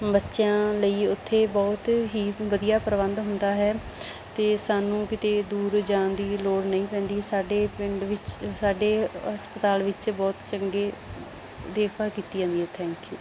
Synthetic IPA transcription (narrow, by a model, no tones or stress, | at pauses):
bətːʃãːləiːʊt̪ʰːeːbɔːt̪ɦiːʋəd̪ijaːpəɾəʋə̃nd̪ɦʊnd̪aːɦɛː | t̪eːsaːnũːkɪt̪eːd̪uːɾd͡ʒãːnd̪iːloːɽnəĩːpɛ̃ːnd̪iːɛsaːɖeːpɪɳɖʋɪt͡ʃsaːɖeːɦəspət̪aːlʋɪt͡ʃbɔːt̪t͡ʃəŋɡeː | d̪eːkʰbaːkiːt̪iːãːd̪iɦɛːt̪ʰɛ̃ːŋkjṵː